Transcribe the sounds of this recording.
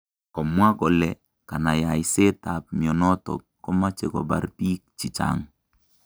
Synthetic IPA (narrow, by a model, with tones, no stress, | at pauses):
kɔ˨mwa˦kɔ˨lɛ˨ | ka˨na˨ja˨i˨se˦ta˨p̚mi˨ɔ˨nɔ˦tɔ̰˨kːɔ˦ma˦t͡ʃe˨kɔ̰˨ba̰˨˦ɾpi˦k̚t͡ʃi˨t͡ʃa̰˦ŋ